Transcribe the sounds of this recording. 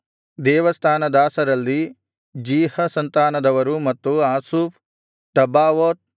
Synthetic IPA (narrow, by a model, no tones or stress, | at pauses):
d̪ɛːʋɐst̪ʰaːnɐd̪aːsɐɾɐlːi | d͡ʒiːhɐsɐnt̪aːnɐd̪ɐʋɐɾumɐt̪ːuaːsuːpʰ | ʈɐbaːʋoːt̪̚